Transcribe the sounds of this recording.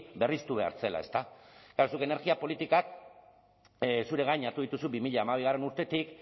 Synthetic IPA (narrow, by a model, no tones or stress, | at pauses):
be̞rist̪uβe̞a̰ɾt͡se̞la̰e̞st̪akaɾosuke̞ne̞ɾɣiapo̞lit̪ikak | suɾe̞ɣajɲaɾt̪uðit̪usubimiʎaːmaβ̞iɣare̞nuɾt̪e̞t̪ik